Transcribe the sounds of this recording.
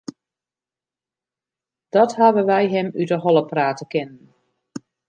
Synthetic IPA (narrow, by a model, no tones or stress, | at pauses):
d̥ɔthaʋəʋɛjɦɛmydəɦɔlˠəpraːtəkɪnən